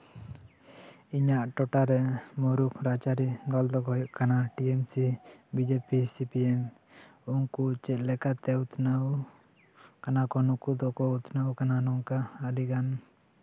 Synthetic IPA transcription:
iɲaʔʈɔʈaɾɛmɔɾukʰɾat͡ʃaɾid̪ɔld̪ɔɡɦɔjɔʔkanaʈiemsibid͡ʒepisipiɛm | unkut͡ʃɛt̪lɛkat̪ɛut̪naw | kanakɔnukud̪ɔkɔut̪nawkananɔŋkaːliɡan

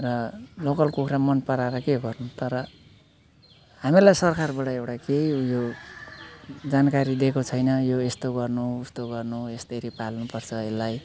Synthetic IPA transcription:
rʌlokʌlkukʰɾamʌnpʌɾaɾʌkeɡʌrnut̪ʌɾʌ | ɦamilajsʌrkʰarbaʈʌewʈakejjo | d͡zankaɾid̪ekot͡sʰʌjnʌjoest̪oɡʌrnuːst̪oɡʌrnuest̪eɾipalnupʌrt͡sʰʌelːaj

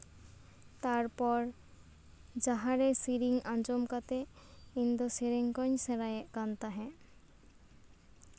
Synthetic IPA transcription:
t̪aɾpɔɾ | d͡ʑaɦaɾesiɾiŋand͡ʑomkat̪e | ind̪osiɾeŋkɔɲseɾaekant̪aɦɛ̃

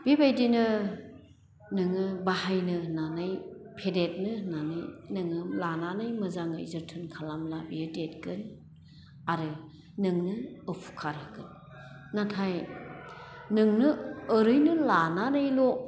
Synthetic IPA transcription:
b̥ibajdinɯ | nɯŋɯbahajnɯnanɯjpʰedet̚nɯnanɯjnɯŋɯmlananɯjmɯzaŋɯ̰jzɯɾtʰɯnkʰalamlabiɯdet̚kɯn | aɾɯ | nɯŋnɯɯpʰu̥kʰaɾɯkɯnː | atʰaj | nɯŋnɯːɾɯjnɯlananɯjlo

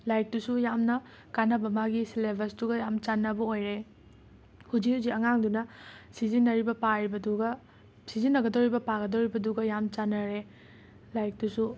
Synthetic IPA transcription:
lajk̚dusujamnɐ | kanɐbɐmaɡisilebʱɐsduɡɐjamt͡ʃanːɐbɐojɾe | hud͡ʒiuziɐŋaŋdunɐsizinːɐɾibɐpaɾibɐduɡɐ | sizinːɐɡɐdoɾibɐpaɡɐdoɾibɐduɡɐjamt͡ʃanːɐɾe | lajk̚dusu

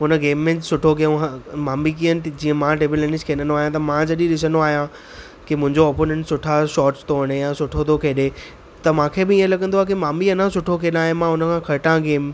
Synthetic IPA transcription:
ɦʊnəɡeːmːẽsʊʈʰokiõmaːmik̬iənd͡ʑĩːə̃mãɖeːbilẽnɪskʰeːɗə̃noaːɦjãt̪ɐmãd͡ʑɐɗĩɗɪs̬ənd̪oaːɦijã | kimʊ̃ɦɪ̃ɲd͡ʑoɔːpoːnẽɳʈsʊʈʰaʃɔːʈt̪ʰoːəɽ̃ejasʊʈʰot̪ʰokʰeːɗe | t̪ɐmãːkʰebɪiə̃lɐɠə̃nd̪oːaːkimaːmiɐnãsʊʈʰokʰeːɗaːɦẽmãɦʊnəkʰãːkʰɐɾʈãɡeːm

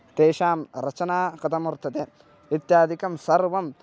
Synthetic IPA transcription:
t̪eːʃaːmɾɐt͡ʃɐnaːkɐt̪ɐmuɾt̪ɐt̪e | it̪jaːd̪ʱikɐmsɐɾʋɐm

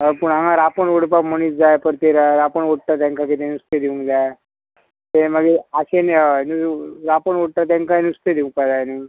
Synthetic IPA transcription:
ɦəpuɳaŋãɾapəɳoɽpakm̤əɽ̃iːt͡sd͡zajpəɾt̪eɾaɾapəɳoɽ̚ʈ̪at̪jãŋkʰaket̪enust̪ed̪iũŋd͡zaj | t̪eməɡeaɕeneənuɾapəɳoɽ̚ʈ̪at̪̬ãŋkanust̪ed̪iũŋpad͡zajni

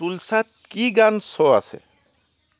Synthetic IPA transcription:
ulsat̚kiɡansɔa̰sɛ̰

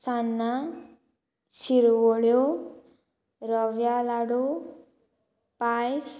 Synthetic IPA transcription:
sanːa | siɾwoɭjo | ɾʌʋjalaɽu | pajs

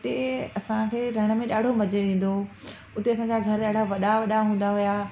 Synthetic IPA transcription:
t̪eɐsãkʰeːɾɐɽ̃ə̆mẽɗaːɖʱomɐd͡ʑeʋẽːn̆d̪o | ʊt̪eɐsãɲd͡ʑaɡʱɐɾɗaːɽʱaʋɐɗaʋɐɗaɦũːn̆d̪aɦʊjaː

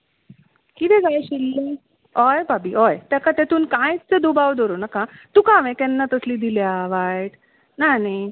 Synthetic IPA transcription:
kit̪ɛ̃d͡zaaɕilːe | ɔjbabiɔjt̪jakat̪ɛt̪uːnkãjt͡st͡səd̪ubaʋd̪ɔɾonakãt̪ũːkãʋɛ̃k̪ɛ̃nːat̪əsliːd̪iljaʋaʈ | nani

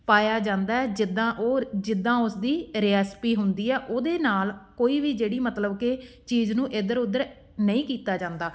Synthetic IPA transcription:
paːjaːd͡ʒãːnd̪aːɛːd͡ʒɪd̪ãːʔoːd͡ʒɪd̪ːãːʊsd̪iːɾɪaːspiːɦʊnd̪iːɛːʔoːd̪eːnaːlkoːiːʋiːd͡ʒeːɽiːmət̪ləbke | t͡ʃiːznũːʔɪd̪əɾʊd̪əɾ | nəĩːkiːt̪aːd͡ʒãːnd̪aː

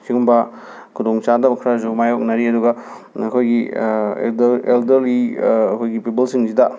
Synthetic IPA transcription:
siŋɡumbɐ | kʰudoŋt͡ʃadɐbɐkʰɾazomajok̚nɐɾiɐduɡɐ | ɐkʰojɡi | eldɐɾliɐkʰojɡipibelsiŋsidɐ

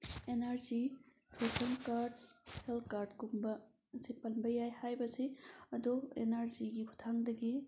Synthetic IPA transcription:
enaɾzi | pʰutʰɐŋkaɾɖhelkaɾdɡumbɐ | sipɐnbɐjajhajbɐsiɐd̪oḛnaɾziɡikʰutʰaŋd̪ɐɡi

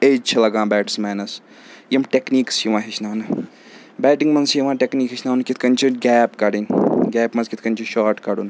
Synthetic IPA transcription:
eːd͡ʒt͡ʃʰɐlɐɡãːbɛːʈsmɛːnɐs | jimʈekniːksjiʋãːɦit͡ʃʰnaːnɨ | bɛːʈiŋɡmɐnsjiʋãːʈekniːkɦit͡ʃʰnaːnɨkit̪ʰkɐnʲt͡ʃʰiɡɛːpkɐɽinɡʲɛːpmɐzkit̪ʰkɐnʲt͡ʃʰiʃaːɾʈkɐɽun

